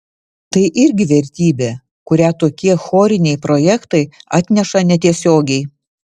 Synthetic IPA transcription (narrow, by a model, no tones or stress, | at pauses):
t̪ɐɪʔɪɾʲɡʲɪʋʲɛɾʲt̪ʲiːbʲeː | kʊɾʲæːt̪oːkʲiɛxoːɾʲɪnʲɛɪpɾojɛkt̪ɐɪɑːt̪ʲnʲɛʃɐnʲɛt̪ʲiɛsʲoːɡʲɛɪ